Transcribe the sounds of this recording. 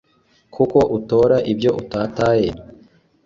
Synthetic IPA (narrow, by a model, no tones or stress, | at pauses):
kʰuko̞ʔuto̞ːɾaʔibɟo̞ʔutaːtaːje